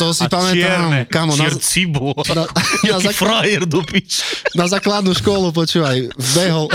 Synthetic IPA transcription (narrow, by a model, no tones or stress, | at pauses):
t̪ɔsipamɛt̪amkamɔnɛɾt͡sibɔnaazafɾajɛɾd̪upit͡ʃnazaklad̪nuʃkɔlup̬ɔt͡ʃuːʋajvbɛɦɔ